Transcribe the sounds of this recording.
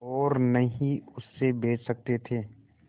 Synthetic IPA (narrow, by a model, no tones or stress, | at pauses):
ɔːɾnɐɦĩʊsːebeːt͡ʃsɐk̚t̪et̪ʰeː